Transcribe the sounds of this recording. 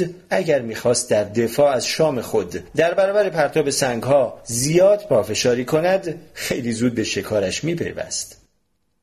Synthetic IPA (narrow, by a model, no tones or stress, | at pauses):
æɟæɾmiːxɒːst̪̚d̪æɾd̪e̞fɒːæzʃɒːme̞xo̞d̪ːæɾbæɾɒːbæɾepʰæɾt̪ʰɒːbe̞sæŋɡhɒːzijɒːd̪̚pʰɒːfe̞ʃɒːɾiːkʰo̞næd̪xe̞jliːzuːd̪̚be̞ʃe̞kʰɒːɾæʃmiːpʰe̞̰jvæ̰st̪